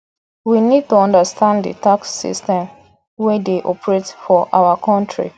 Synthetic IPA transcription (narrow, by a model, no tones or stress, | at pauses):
winid̚tuɔ̃ndəstʰãndḭtaksːḭstɛ̃m | wɛdeʔɔpɹetfɔʔa̰wakʰɔ̃ntɹḭ